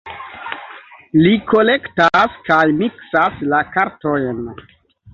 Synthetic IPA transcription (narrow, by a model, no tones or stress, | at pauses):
liko̞le̞ktaskajmiksaslakaɾto̞jn